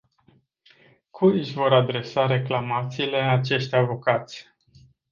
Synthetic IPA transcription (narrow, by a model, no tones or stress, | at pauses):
kʰuɨʃʲvo̞ɾad̪ɾe̞saɾe̞klamat̪siːle̞at͡ʃe̞ʃt̪ʲavo̞kat̪sʲ